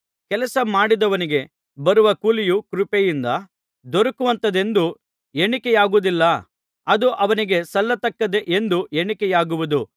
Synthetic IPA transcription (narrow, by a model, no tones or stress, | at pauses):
kɛlɐsɐmaːɽid̪ɐʋɐniɡe̞ | bɐɾuʋɐkuːlijukɾupejind̪ɐ | d̪oɾɐkuʋɐnt̪ɐd̪e̞nd̪u | eɳikɛjaːɡud̪ilːɐ | ɐd̪uʔɐʋɐniɡe̞sɐlːɐt̪ɐkːɐd̪e̞ʔend̪ueɳikɛjaːɡuʋud̪u